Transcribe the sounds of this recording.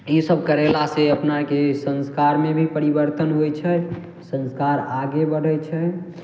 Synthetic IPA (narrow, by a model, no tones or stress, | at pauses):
isəb̚kəɾelaseəpnakesə̃nskaɾmẽbʱipəɾibəɾt̪ənɦojt͡ʃʰɛ | sə̃nskaɾaɡebəɽ̤ɛt͡ʃʰɛ